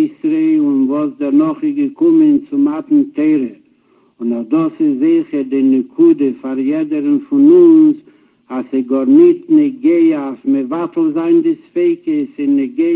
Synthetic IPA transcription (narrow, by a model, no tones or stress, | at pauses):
ɪsɾeʊnvɔsdɛɾnɔχɪsɡəkʊmənt͡sʊmatn̩teɪɾə | ʊnɔdɔsɪzzɪχəɾdɪnɪkʰudəfaɾjɛdəɾənfʊnʊns | asɪɡɔɾnɪtnɪɡeɪəafmɪvatl̩ˠzaɪndɪsfeɪkəsɪnɪɡe